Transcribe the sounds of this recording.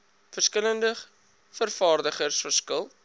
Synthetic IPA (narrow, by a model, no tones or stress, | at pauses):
fərskələndə | fərfɑːrdəχərsfərskəlˠ